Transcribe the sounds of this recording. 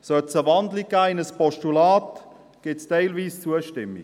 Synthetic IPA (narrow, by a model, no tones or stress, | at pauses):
sœtt͡səʋɑndliɡ̚ɡ̥aːɪnəspɔʃtulaːt | ɡ̥ɪtstaɪlviːst͡suəʃtɪmːi